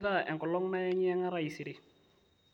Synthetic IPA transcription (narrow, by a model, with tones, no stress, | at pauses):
ða˦˨ʔɛ˨ŋkɔ˨lɔ˦ŋna˦ɛ˦ɲɪ˦ɛ˦ŋa˦ɾa˨i˨si˨ɾɪ˦